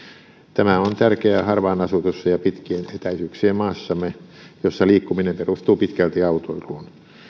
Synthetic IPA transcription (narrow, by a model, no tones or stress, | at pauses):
t̪æmæont̪ærkeæhɑrʋɑːnɑsut̪usːɑjɑpit̪kiːnet̪æisykseːmmɑːsːɑmːˑejosːɑliːkːuminemperust̪uːpit̪kælt̪iɑut̪oiluːn